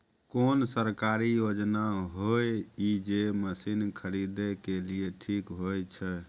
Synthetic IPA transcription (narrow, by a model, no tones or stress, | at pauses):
konsəɾkaɾijod͡ʒnaɦojid͡ʒeməsinkʰəɾid̪ɛkelijeʈʰikɦojt͡ʃʰɛ